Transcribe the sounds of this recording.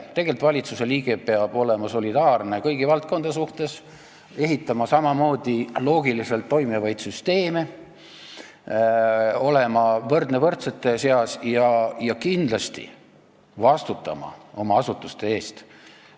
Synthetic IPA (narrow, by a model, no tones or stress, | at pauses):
t̪e̞ɡ̥e̞lt̪vɑlʲit̪suse̞liːɡ̥e̞pe̞ɑb̥o̞le̞mɑso̞lʲid̪̥ɑːrne̞kɤjɡivɑlt̪̚ko̞nd̪̥ɑs̬uht̪e̞s | e̞ɦit̪ːˑɑmɑsɑmɑmo̞ːd̪̥ilo̞ːɡ̥ilise̞lt̪ːo̞jmevɑjd̪̥syst̪e̞ːme̞ | o̞le̞mɑvɤrd̪̥nevɤrt̪se̞t̪ːˑe̞se̞ɑsjɑjɑkind̪̥lɑst̪ḭ | vɑst̪ut̪ːˑɑ̰mɑ̰o̞mɑɑsut̪ːˑust̪e̞e̞ːst̪